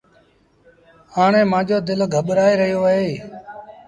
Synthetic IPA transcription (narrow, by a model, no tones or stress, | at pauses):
haːɳẽːmãːd͡ʒoːd̪ɪlɡʱəɓɾaːeːɾəɦijoːɦeː